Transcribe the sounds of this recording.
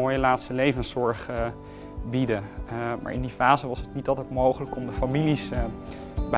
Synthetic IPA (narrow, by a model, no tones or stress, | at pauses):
oːjəlaːtstəlejvənsɔɹχ | bidəma̰ːɹɪ̰ndifaːzəʋɑsətnitɑlˠtətmowχələkɔmdəfamilis | b